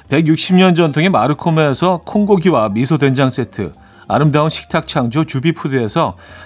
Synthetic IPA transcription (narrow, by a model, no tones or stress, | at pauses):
pe̞ɡjuk̚ɕ͈imɲʌnd͡ʑʌntʰoŋemaɾɯkʰomeːsʰʌkʰoŋɡoɡiwamisʰodwe̞nd͡ʑaŋs͈e̞tʰɯ̰ | a̰ɾɯmdaunɕʰi̥k̚tʰak̚t͡ɕʰaŋd͡ʑot͡ɕubipʰudɯesʰʌ